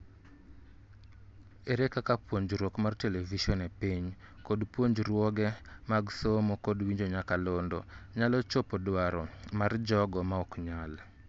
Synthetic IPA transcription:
eɾekakapwoɲd͡ʒɾwɔkmarteleviʃɔnepiɲkodpwoɲd͡ʒɾwɔɡɛmaɡsomokodwiɲd͡ʒoɲakalondɔ̰ɲalɔt͡ʃopɔdwaɾɔmard͡ʒɔɡɔmaɔkɲal

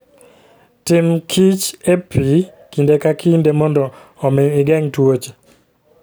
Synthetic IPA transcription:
tɪmkʰit͡ʃepʰi | kindekakindemɔndɔːmɪɪɡɛŋtwot͡ʃe̥

